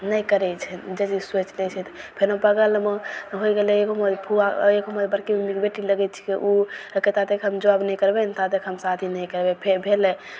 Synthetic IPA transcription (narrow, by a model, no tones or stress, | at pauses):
nəjkəɾɛt͡ʃʰɛd͡ʒet͡ʃiswet͡ʃlɛt͡ʃʰɛt̪ɔ̥pʰenopəɡəlmeɦojɡelɛekoməd̪pʰuaekoməbəɾkimemikbeʈiləɡɛt̪̚t͡ʃʰi̥keʔuket̪at̪ekʰɦəmd͡ʒəʋabnəjkəɾbent̪ad̪ekʰɦəmsat̪ʰinəjkəɾbepʰebʱelɛ